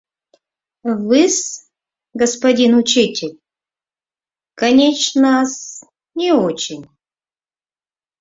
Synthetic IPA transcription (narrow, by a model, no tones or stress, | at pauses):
vɨs | ɡəspɐdʲinʊt͡ɕitʲɪlʲ | kɐnʲet͡ɕnəs | nʲɪot͡ɕɪnʲ